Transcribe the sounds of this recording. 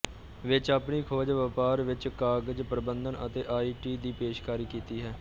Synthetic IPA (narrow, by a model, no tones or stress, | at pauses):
ʋɪt͡ʃaːpniːkʰoːd͡ʒʋəpaːɾʋɪt͡ʃkaːɡəd͡ʒpɾəbənd̪ənət̪eːʔaːiːʈiːd̪iːpeːʃkaːɾiːkiːt̪iːɦɛː